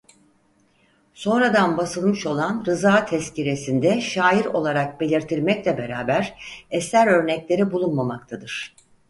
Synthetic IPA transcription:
so̞nɾad̪anbasɯlˠmɯʃo̞lˠanɾɯzaːt̪ʰɛsciɾe̞sind̪ɛʃaːjiɾo̞̰lˠaɾak̚be̞lʲiɾt̪ʰiɾmɛclʲɛbe̞ɾaːbæɾɛsæɾø̞ɾnɛclʲe̞ɾibulˠunmamakt̪ʰad̪ɯɾ̥

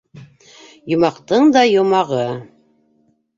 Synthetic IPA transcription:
jŏmɑqt̪ɤɴd̪ɑjŏmɑʁɤ

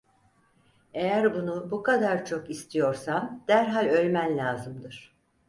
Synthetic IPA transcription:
e̞jæɾbunubukad̪aɾt͡ʃʰo̞kist̪ʰijo̞ɾsand̪̥æɾɦalʲø̞lʲmænlʲaːzɯmd̪ɯɾ̥

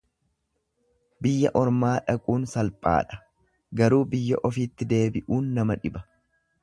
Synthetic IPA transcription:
bɪjːɐ̰ʔɔɾmaːᶑɐkʼuːnsɐlpʼa̰ːᶑɐ̥ | ɡɐɾuːbɪjːɐ̰ʔɔfiːt̪ːɪd̪e̞ːbɪʔuːnːɐmɐᶑɪbɐ̥

